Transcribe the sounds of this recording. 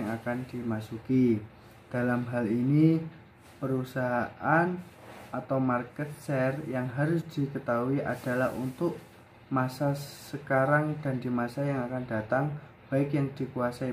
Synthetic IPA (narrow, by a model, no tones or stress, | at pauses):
ŋakand̥imasuki | d̥alamɦalini | pəɾusaɦaʔan | at̪awmarkɛt̪̚sɛrjaŋɦaɾʊsd̥ikət̪auiʔad̥a̤lahṵnt̪ʊʔ | masasəkaɾaŋda̤ndimasajaŋakanda̤t̪aŋ | b̥aɪkjaŋd̥ikuasai